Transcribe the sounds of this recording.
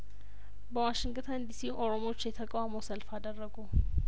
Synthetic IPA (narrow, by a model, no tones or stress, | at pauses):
bəwaʃɪŋɡt̪ʰənd̪isiʔo̞ɾomo̞t͡ʃːjɛt̪ʰəkʼawaməwsəlfad̪ərːəɡu